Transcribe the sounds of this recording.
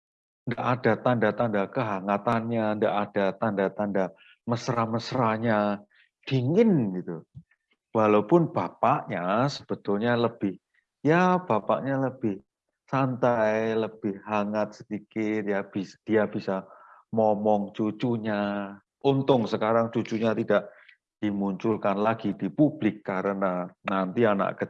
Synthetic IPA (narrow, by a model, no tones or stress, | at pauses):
ndaʔadat̪andat̪andakəɦaŋat̪anɲandaʔad̥at̪andat̪anda | məsɾaməsɾaɲa | d̥iŋɪnɡit̪u | walawpʊnb̥apaʔɲasəb̥ət̪ʊlɲaləb̥ɪh | jab̥apa̰ʔɲaləb̥ɪh | sant̪ajləb̥ɪhːaŋat̪̚sədikɪt̪̚jab̥isd̥iabisamɔmɔŋt͡ʃut͡ʃuɲa | ʔunt̪ʊŋsəkaɾaŋt͡ʃut͡ʃuɲat̪idaʔ | d̥imuɲt͡ʃʊlkanlaɡ̥id̥ipub̥lɪkːaɾənanant̪iana̰ʔkə